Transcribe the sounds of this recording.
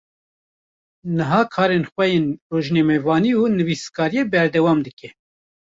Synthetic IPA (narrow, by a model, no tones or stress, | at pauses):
nɨɦɑːkʰɑːɾeːnxʷɛjeːnroːʒnɛmɛvɑːniːuːnɨviskɑːɾijeːbɛɾd̪ɛwɑːmd̪ɨkɛ